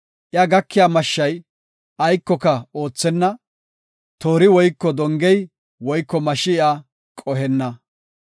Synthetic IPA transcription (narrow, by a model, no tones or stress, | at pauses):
ʔɪaɡɐkːɪjaːmɐʃːɐj | ʔɐjkːɔkɐo̞ːt͡sːɛnːɐ | t̪o̞ːɾɪwɔjkːɔd̪ɔŋɡɛj | wɔjkːɔmɐʃːɪɪa | kʼɔɦɛnːɐ